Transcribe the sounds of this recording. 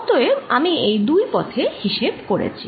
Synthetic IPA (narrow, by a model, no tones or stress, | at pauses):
t̪oeamiejd̪ujpɔt̪ʰehiʃebkoɽḛt͡ɕʰi̥